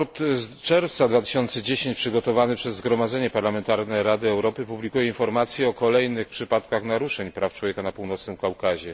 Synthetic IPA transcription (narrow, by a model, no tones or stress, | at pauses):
ɔt̪t͡ʂɛɾft̪sad̪vat̪ɘ̥ɕɔnt̪sɛd͡ʑeɕeɲt͡ɕpʂɘɡɔt̪ɔvanɘpʂɛzːɡɾɔmad̪zɛɲɛpaɾlamɛnt̪aɾnɛɾad̪ɘɛwɾɔpɘpublʲikujɛinfɔɾmat̪sʲjɛɔkɔlɛjnɘxpʂɘpat̪kaxnaɾuʂɛɲpɾʔaftwɔvʲjeɛkanapuwnɔt̪snɘmkawkaʑɛ